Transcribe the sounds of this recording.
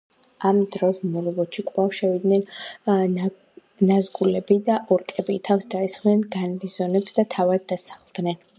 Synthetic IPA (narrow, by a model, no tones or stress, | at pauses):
amd̪ɾɔsmɔɾɛvɔt͡ʃikʼlˠafʃɛvid̪nɛn | nazɡulɛbid̪aʔɔɾkʼɛbiːt̪ʰafsd̪aisχnɛnɡanɾizɔnɛpsd̪at̪ʰavad̪̚ːasḁχlˠd̪nɛn